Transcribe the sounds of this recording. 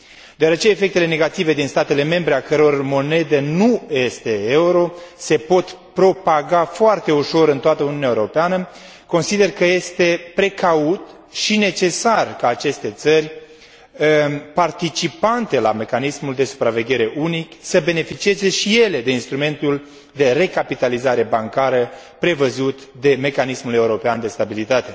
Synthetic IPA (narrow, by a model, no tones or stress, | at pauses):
d̪eoaɾet͡ʃe̞ːfek̚t̪ele̞ne̞ɡat̪ive̞d̪inst̪at̪e̞le̞me̞mbɾe̞akəɾeo̞rmo̞ne̞d̪e̞nuje̞st̪e̞euɾo̞se̞po̞t̪pɾo̞paɡafoart̪e̞uʃo̞ɾɨnt̪oat̪əuniunʲaeoɾo̞peanə | ko̞nsid̪e̞rkəje̞st̪e̞pɾe̞kaut̪ | ʃine̞t͡ʃe̞sarkaːt͡ʃe̞st̪e̞t̪sərʲ | əpart̪it͡ʃipant̪e̞lame̞kanismuld̪e̞su̥pɾave̞ɡʲe̞ɾe̞ʔuniksəbe̞ne̞fit͡ʃieze̞ʃije̞le̞d̪e̞inst̪ɾume̞nt̪ul | d̪e̞re̞kapit̪alizaɾe̞baŋkaɾə | pɾe̞vəzut̪ | d̪e̞me̞kanismule̞uɾo̞peand̪e̞st̪abilit̪at̪e̞